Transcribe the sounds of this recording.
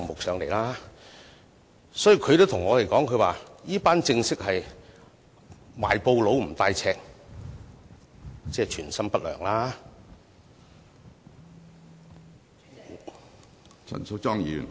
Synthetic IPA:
ŋmʊ˨k̚sœː˨˧˥ŋle˨˩laː˥ | sɔː˨˥ji˨˩wkʰɵ˨˧jt̪o˥wt̪ʰʊ˨˩ŋɔː˨˧ɾe˨jkɔː˨˥ŋkʰɵ˨˧waː˨˩jiː˥paː˥nt͡sɪ˧ŋsɪ˥k̚hɐ˨j | ma̰ː˨jpo˧wlo˨˧˥wm̩˨˩t̪aː˧jt͡sʰɛː˧k̚ | t͡sɛː˧˩t͡ʃʰyː˨˩nsɐ˥mpɐ˥t̚lœ̰ː˨˩ŋlaː˥ | t͡sʰɐ̰˨˩nsʊ˧˥k̚t͡ʃɔː˥ŋjyː˨n

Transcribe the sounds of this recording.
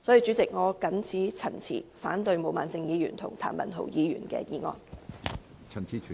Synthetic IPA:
sɔ˨˥ji˧t͡sy˨˥t͡sɪ˨k̚ŋɔː˨˧kɐ˨˥nt͡sʰiː˨˥t͡sʰɐ˨˩nt͡sʰḭː˨˩faː˨˥nt̪ɵ˧ɥmo˨˩wmaː˨nt͡sɪ˧ŋjiː˨˧jyː˨˩nt̪ʰʊ̰˨˩ŋt̪ʰa̰ː˨˩mɐ̰˨˩nɦo̰˨˩wjiː˨˧jy̰˨˩nkɛ̰ː˧jiː˨˧ŋɔ̰ː˧n | t͡sʰɐ˨˩nt͡sʰiː˨˥t͡ʃʰy˨

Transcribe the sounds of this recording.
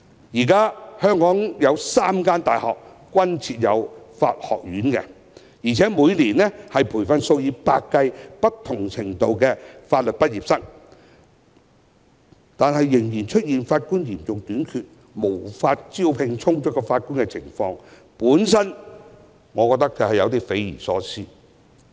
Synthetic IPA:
jiː˨˩kaː˥hœː˥ŋkɔː˨˥ŋjɐ˨˧wsaː˥mkaː˥nt̪aː˨˩jhɔ̰ː˨k̚ | kːʷɐ˥nt͡sʰiː˨t̚jɐ˨˧wfa̰ː˧t̚hɔ̰ː˨k̚jyː˨˥nkɛ̰˧ | jiː˨˩t͡sʰɛː˨˥muː˨˧jliː˨˩nlɛ˥hɐ˨jpʰuː˨˩jfɐ˧nso˧wjiː˧pa̰ː˧kːɐ˧jpɐ˥t̚t̪ʰʊ˨˩ŋt͡sʰɪ˨˩ŋt̪o˨˧wkɛ˧faː˧t̚lɵ˨t̚pɐ˥t̚jiː˨˩psɐ˥k̚ | t̪aː˨nhɐ˨jːɪ˨˩ŋjiː˨˩nt͡ʃʰɵ˥t̚jiː˨nfaː˧t̚kuː˥njiː˨˩nt͡sʊ˨ŋt̪yː˨˥nkʰyː˨t̚ | mo˨˩wfaː˧t̚t͡siː˥wpʰɪ˧ŋt͡sʰʊ˥ŋt͡sɔ˥˦˥kːɔː˧faː˧t̚kuː˥nkɛ˧t͡sʰɪ˨˩ŋfɔ̰ː˧ŋ | puː˨˥nsɐ˥n | ŋɔː˨˧kɔ˧k̚t̪ɐ˥k̚t͡sɐ˨hɐ˨jɐ˨˧wt̪i˥fe˨˥jjḭː˨˩sɔː˨˥t͡sʰiː˥

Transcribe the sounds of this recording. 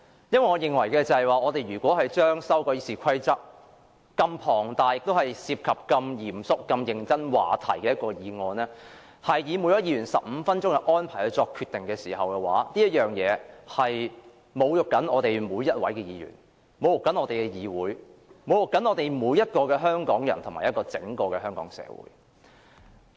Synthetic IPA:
jɐ˥nwɐ˨jŋɔː˨˧jɪ˨ŋwɐ˨˩jkɛː˧t͡sɐ˨hɐ˨jwaː˨ɔː˨˧t̪e˨jɥyː˨˩kʷwɔː˨˥hɐ˨jt͡ʃœː˥ŋsɐ˥wkɔː˧ji˧siː˨˩kʰɐ˥jt͡sɐ˥k̚ | kɐ˧mpʰɔː˨˩ŋt̪aː˨˩jɪ˨k̚t̪o˥whɐ˨jsiː˧p̚kʰɐ˨p̚kɐ˧mjiː˨˩msʊ˨˥kːɐ˧mjɪ˨˩ŋt͡sɐ˥nwa̰ː˨˩t̪ʰɐ̰˨˩jkɛː˧jɐ˥t̚kɔː˧jiː˨˧ŋɔː˧nɛː˥ | hɐ˨jːiː˨˧mu˨˧˥jɔː˨˥jiː˨˧jyː˨˩nsɐ̰˨p̚m̩˨˧fɐ˥nt͡ʃʊ˥ŋkɛ˧ʔɔː˥npʰaː˨˩hɵ˨˧t͡sɔː˧kʰːyː˨˧t̪ɪ˨ŋkɛː˧siː˨˩ɦɐ˨wkɛ˧wa̰ː˨˥niː˥jɐ˥t̚jœː˨ŋjɛː˨˧hɐ˨j | mo˨˧wjʊ˨k̚kːɐ˨˥nʔɔː˨˧t̪e˨jmuː˨˧jɐ˥t̚wɐ˨˥jkɛː˧jiː˨˧jy̰ː˨˩n | mo˨wjʊ˨kːɐ˨˥nɔ˨˧t̪e˨jkɛ˧jiː˨˧wuː˨˥jmo˨wjʊ˨kːɐ˨˥nɔː˧t̪e˨jmuː˨˧jɐ˥t̚kɔː˧kɛː˧ɦœː˥ŋkɔː˨˥ŋjɐ˨˩nt̪ʰʊ˨˩ŋmaː˨˩jɐ˥tkɔː˧t͡sɪ̰˨˥ŋkɔː˧kɛː˧hœː˥ŋkɔ̰ː˨˥ŋsɛ̰ː˨˧wṵː˨˥j

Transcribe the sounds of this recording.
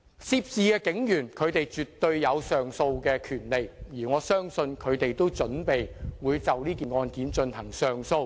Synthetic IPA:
siː˧˥p̚t͡siː˨˧kɛː˧kɪ˨˥ŋjyː˨˩nkʰɵ˨˧ɥt̪e˨jt͡ʃyː˨t̪ːɵ˧ɥjɐ˨˧wsœː˨ŋso˧wkɛː˧kʰyː˨˩nle˨jjiː˨˩ŋɔː˨˧sœː˥ŋsɵ˧nkʰɵ˨˧ɥt̪e˨jt̪o˥wt͡ʃɵ˨˥npe˨jwuː˨˧jt͡sɐ˨wliː˥kiː˨˩nŋɔː˧nkiː˨˥nt͡ʃɵ˧nhɐ˨˩ŋsœː˨ŋso˧w

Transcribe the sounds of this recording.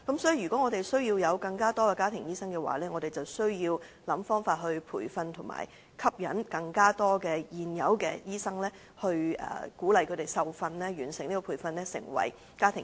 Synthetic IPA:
kɐ˨˥msɔː˨˥ji˨jɥyː˨˩kɔː˨˥ŋɔ˨˧t̪e˨jsɵ˥ɥjiː˧wjɐ˨˧wkɐ˧ŋkaː˥t̪ɔː˥kɛ˧kaː˥t̪ʰɪ˨˩ŋjiː˥sɐ˥ŋkɛː˧wa̰ː˨˦lɛː˥ŋɔː˨˧ɾe˨jt͡sɐ˨wsɵ˥ɥjiː˧w | lɐ˨˥mfɔː˥ŋfaː˧t̚ɦɵ˧ɥpʰṵː˨˩jfɐ˧nt̪ʰʊ˨˩ŋma̰ː˨˩j | kʰɐ˥p̚jɐ̰˨˥nkɐ˧ŋkaː˥t̪ɔː˥kɛː˧jiː˨njɐ˨˧˥wkɛ̰ː˧jiː˥sɐ˥ŋlɛː˥ | hɵ˧ɥɛ̰ː˨˩kuː˨˥lɐ˨jkʰɵ˨˧˥t̪e˨˩jsɐ˨wfɐ˧nlɛː˥jyː˨˩nsɪ˨˩ŋniː˥kɔ˨pʰu˨˩jfɐ˧nlɛː˥sɪ̰˨˩ŋwɐ̰˨˩j | kaː˥t̪ʰɪ˨˩

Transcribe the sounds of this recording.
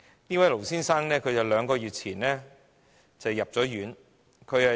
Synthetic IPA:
niː˥wɐ˨˦jlo˨˩wsiː˥nsaː˥ŋnɛː˥kʰɵ˨˧ɥjɐ˨˧wlœː˨˧ŋkɔː˧jyː˨t̚t͡sʰiː˨˩nlɛː˥ | t͡sɐ˨wjɐ˨p̚t͡sɔː˨˥jyː˨˥n | kʰɵ˨˧ɥɐ˨

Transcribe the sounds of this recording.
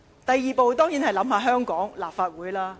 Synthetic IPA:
t̪ɐ˨jːiː˨˩po˨˧wt̪ɔː˥ŋjiː˨˥nhɐ˨jlɐ˨˥mɦaː˧ɦœː˥ŋkɔː˨˥ŋlaː˨˩p̚faː˧t̚wuː˨˥jlaː˥

